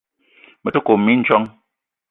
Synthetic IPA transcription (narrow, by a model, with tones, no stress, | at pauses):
mɛ˨to˦ko˨mːi˦n̩˦t͡ʃwɔ˦ŋ